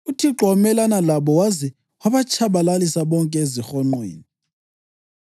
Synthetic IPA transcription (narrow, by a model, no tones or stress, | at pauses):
utʰiǃʱɔmɛlanalaɓɔwazɛ | waɓat͡ʃʰaɓalalisaɓɔŋkʼɛezixɔŋ͡ǃḛːni